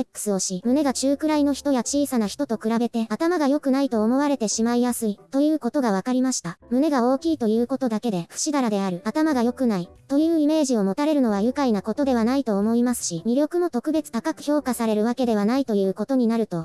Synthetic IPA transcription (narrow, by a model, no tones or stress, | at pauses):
ekːɯ̟̥sɨo̞ɕimɯ̟ne̞ɡat͡ɕɨːkɯ̟ɾaino̞çi̥t̪o̞jat͡ɕiːsanaçi̥t̪o̞t̪okɯ̟ɾabe̞t̪e̞at̪amaɡajo̞kɯ̟nait̪o̞ːmo̞β̞aɾe̞t̪e̞ɕimaijasɨit̪o̞jɯ̟ːko̞t̪o̞ɡaβ̞akaɾʲimaɕi̥t̪amɯ̟ne̞ɡao̞ːkʲiːt̪o̞jɯ̟ːko̞t̪o̞d̪ake̞d̪e̞ɸɯ̟̥ɕid̪aɾad̪e̞aɾɯ̟at̪amaɡajo̞kɯ̟nait̪o̞jɯ̟ːime̞ːʑio̞mo̞t̪aɾe̞ɾɯ̟no̞β̞ajɯ̟kainako̞t̪o̞d̪e̞βanait̪o̞ːmo̞imasɨ̥ɕimʲiɾʲo̞kɯ̟mo̞t̪o̞kɯ̟be̞t͡sɨ̥t̪akakɯ̟̥çʲo̞ːkasaɾe̞ɾɯ̟βake̞d̪e̞β̞anait̪o̞jɯ̟ːko̞t̪o̞ɲ̟inaɾɯ̟t̪o̞